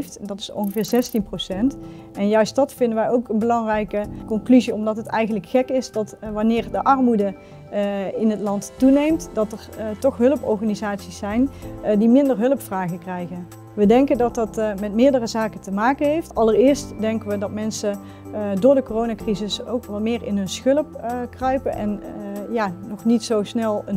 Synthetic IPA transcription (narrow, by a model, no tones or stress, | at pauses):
ftdɑtɪ̥sɔ̰nxəvɪːɹzɛstinprowsɛnt | ʔɛnjœɥstdɑtfɪndənʋɛjowkənbəlɑŋrɛjkəkɔnklyziɔmdɑtətɛjɣənləkxɛkɪsdɑtʋɑnɪːɹdəʔɑɹmudə | ɪnɦətlɑnttunejmtdɑtəɹtɔxɦɵləpɔ̰ɹχaːnizaːtsisɛjndimɪndəɹɦɵləpfraːɣəkrɛjɣən | ʋədɛŋkəndɑtɑtmɛtmɪːɹdərəzaːkətəmaːkənɦejftɑlərɪːɹstdɛŋkəʋədɑtmɛnsə | dʊːɹdəkorownaːkrizɪso̰wkʋɑlmɪːɹɪnɦɵnsxɵləpkrœɥpənʔɛnjaːɔχnitsowsnɛlˠən